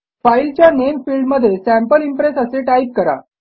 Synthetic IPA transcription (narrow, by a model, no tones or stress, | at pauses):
fajlt͡ɕjanemfilɖməd̪ʱːjesæmpəlimpɾesəseʈajp̚kəɾa̰